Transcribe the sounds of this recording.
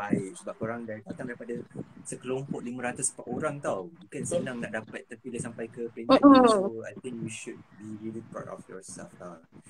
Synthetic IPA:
baɪʔ̚səbap̚koɾaŋdaɾit̪at̪amdaɾipadasəkəlompɔʔlimə̃ɾat̪uspaʔoɾaŋt̪awbukansənãŋnaʔdapat̪̚ːəpiləsampajkəplenoa̰jt̪ĩŋkjiʃud̚biɹilipɹɔ̰tɔ̰fjɔsɛ̰lfa

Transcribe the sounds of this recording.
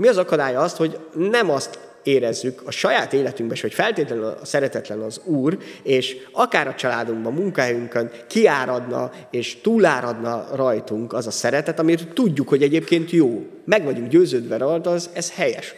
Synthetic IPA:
miɒzɒkɒd̪aːjɒɒst̪ho̞ɟnɛmɒst̪ | eːɾɛzːykʰɒʃɒjaːt̪eːlɛt̪yŋɡbɛʃho̞cfɛlt̪eːt̪lɛnyn̰sɛɾɛt̪ɛt̪lɛnɒzuːreːʃɒkaːɾɒt͡ʃɒla̰ːd̪uŋɡbɒmːuŋkɒɦɛjyŋkøn | kiaːɾɒd̪nɒ̰ | eːʃt̪uːlːaːɾɒd̪nɒrɒjt̪uŋkɒzɒsɛɾɛt̪ɛt̪ɒmirt̪ːuɟːukho̞ɟɛɟeːpkeːnt̪joː | mɛɡʋɒɟuŋɡɟøːzøːd̪ʋɛɾɒlt̪ɒzɛzhɛjɛʃ

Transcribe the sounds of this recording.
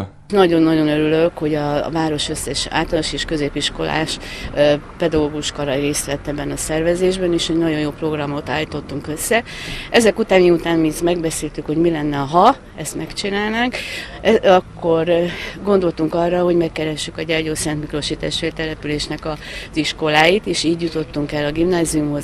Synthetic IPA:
nɒɟo̞nːɒɟo̞nøɾyløkho̞ɟɒ̰vaːɾo̞ʃø̞sːɛʃa̰ːlt̪ɒnoʃeːʃkøzeːpiʃko̞lʔa̰ːʃ | pɛd̪ɒɡoːɡuʃkɒɾɒjreːst̪ʋɛt̪ːɛbːɛnɒsɛrvɛzeːʒbɛneːʃhɛɟnɒɟo̞njoːpro̞ɡrɒmo̞t̪a̰ːlːiːt̪o̞t̪ːuŋkø̞sːɛ | ʔɛzɛkut̪aːniut̪aːnmiːt̪mɛɡbɛseːlt̪ykho̞ɟmilɛnːɛɒɦɒ | ɛst̪mɛkt͡ʃinaːlnaːŋk | ɛɒkːo̞rɡo̞nd̪o̞lt̪uŋkɒrːɒɦo̞ɟmɛkːɛɾɛʃːykɒɟɛrɟoːsɛnt̪mikro̞ʃiːt̪aːʃfeːrt̪ɛlɛpyleːʃnɛkɒz̥iʃko̞laːjit̪eːʃiːɟjut̪o̞t̪ːuŋkɛlːɒɡimnaːziumho̞z

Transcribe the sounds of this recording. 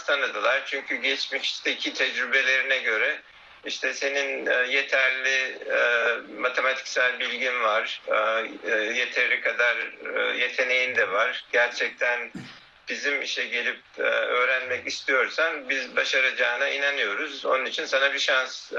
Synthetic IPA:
st̪ʰand̪ad̪alˠaɾ̥t͡ʃʰyɲcʰyɟɛt͡ʃmiʃi̥ʃt̪ʰeicʰit̪ʰɛd͡ʒɾybe̞lʲe̞ɾinɛɟø̞ɾɛ | iʃt̪ʰɛse̞ninːje̞t̪ʰæɾlʲi | mat̪ʰe̞mat̪ʰi̥csælʲbilʲɟinvaɾ̥ | je̞t̪ʰeɾlʲikʰad̪aɾ̰je̞t̪ʰe̞ne̞jind̪ɛvaɾ̥ɟ̥æɾt͡ʃʰɛc̚t̪ʰæn | b̥izimiʃt̪ɛɟe̞lʲip̚ːø̞ːɾænmɛcist̪ʰijo̞ɾsanbizbaʃaɾad͡ʒaɯnainanɯjo̞ɾuzo̞̰nunit͡ʃʰinsanabiʃans

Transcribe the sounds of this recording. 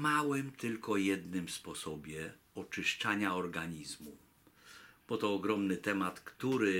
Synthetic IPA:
mawɛmt̪ɘlkɔjɛd̪nɘmspɔsɔbʲjɛ | ɔt͡ʂɘʂt͡ʂaɲaɔɾɡaɲizmu | b̥ɔt̪ɔːɡɾɔmnɘt̪ɛmat̪kt̪uɾɘ

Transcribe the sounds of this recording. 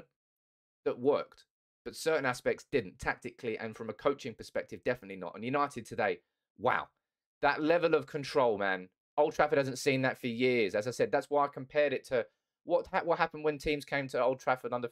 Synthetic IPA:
ðəʔ̚wɜˑk̚t | b̥ʌtsɜˑ˞ʔn̩æspɛk̚tsd̥ɪdⁿn̩tʰæk̚tɨkʰliʔə̰̃nfɹʌ̃məkʰəʊt͡ʃɪ̃ŋpʰəspɛk̚tɨvdɛfənətˡlinə̰tə̰̃n̩jʉnaɪtɪd̚tʰɨdeɪ | wa̰ʊ | ðəʔlɛvəlˠəv̥kʰə̃ntʰɹ̥oʊlˠmæ̃n | oʊlˠdtʰɹ̥afəd̥̚hazə̃ntsĩnðətfəjɪəzɨzaɪsɛd̪̚ðætswaɪaɪkʰə̃mpʰɛɹɾɪtʰə | wʌtwʌt̚hapn̩d̚wə̃ntʰĩːmz̥kʰẽɪ̃mtʰəoʊl̚ˠtʰɹ̥afəɾʌ̃nðə

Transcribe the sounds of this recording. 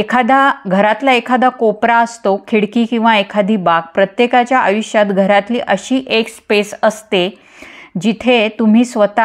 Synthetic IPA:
ekʰad̪aɡʱəɾat̪laekʰad̪akopɾaəst̪okʰiɽkiːkĩw̃ʋaekʰad̪ʱiːbak̚pɾət̪jekat͡ɕjaʔəʋiɕjat̪ɡʱəɾat̪lḭːʔəɕiːʔekspesəst̪e | d͡ʑit̪ʰet̪um̤iːsʋət̪a

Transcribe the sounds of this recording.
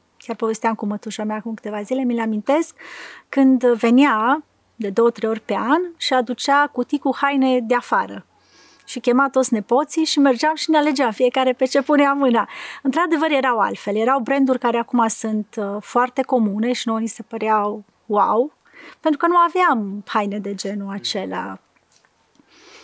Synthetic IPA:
kʲjarpo̞vest̪eamkumət̪uʃameaːkumkɨ̥t̪e̞vazile̞mileamint̪e̞skːɨnd̪ve̞nia | d̪e̞d̪o̞wət̪ɾejo̞rʲpe̞anʃiad̪ut͡ʃakut̪ikuhajne̞d̪e̞afaɾə | ʃikʲe̞mat̪ot̪sʲne̞po̞t̪siʃime̞rd͡ʒeamʃineale̞d͡ʒeamfije̞kaɾe̞pe̞t͡ʃe̞puneamɨnaɨnt̪ɾad̪e̞vəɾje̞ɾawa̰lt̪fe̞lje̞ɾawbɾe̞nd̪urʲkaɾe̞akumasɨnt̪foart̪e̞ko̞mune̞ʃino̞jnise̞pəɾeaw | waw | pe̞nt̪ɾukənuaveamhajne̞d̪e̞d͡ʒe̞nuat͡ʃe̞la̰

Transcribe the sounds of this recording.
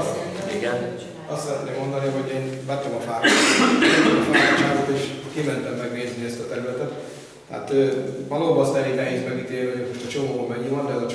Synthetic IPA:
iɡn | ɒst̪ːsɛɾɛt̪neːmːo̞nd̪ɒniɦo̞ɟeːnvɛt̪ːɛmɒfaːɾamɒfaːɾot͡ʃaːɡot̪eːʃkimɛnt̪ɛmːɛɡʋeːzniɛst̪ɒt̪ɛɾylɛt̪ɛt̪ː | ɦa̰t̪øːvɒloːbɒsɛɾeːnɛɦeːzmɛɡit̪eːliomoʃt̪ɒt͡ʃo̞moːmɛɲːimɒnd̪ɛot͡ʃ

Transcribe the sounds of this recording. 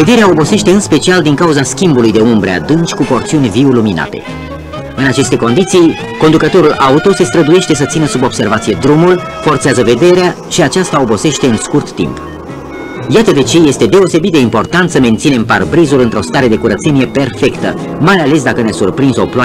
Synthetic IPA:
ve̞d̪e̞ɾeao̞bo̞se̞ʃt̪e̞ɨnspe̞t͡ʃiald̪iŋkauzaskʲimbulujd̪e̞umbɾea̰d̪ɨnt͡ʃʲkupo̞rt̪siunʲviulumina̰t̪e̞̰ | ɨnat͡ʃe̞st̪e̞ko̞nd̪it̪sij | ko̞nd̪ukət̪o̞ɾulʔaut̪o̞se̞st̪ɾəd̪uje̞ʃt̪e̞s̬ət̪sinəsubo̞b̥se̞rvat̪sije̞d̪ɾumul | fo̞rt̪seazəve̞d̪e̞ɾea | ʃiat͡ʃast̪ao̞bo̞se̞ʃt̪e̞ɨnskurt̪ːḭmp | jat̪əd̪e̞t͡ʃe̞je̞st̪e̞d̪e̞o̞se̞bit̪d̪eimpo̞rt̪ant̪səme̞nt̪sine̞mparbɾizulɨnt̪ɾo̞st̪aɾe̞d̪e̞kuɾət̪se̞nijepe̞rfe̞kt̪ə̰ | majale̞s̬d̪akəneasurpɾinzoplwa

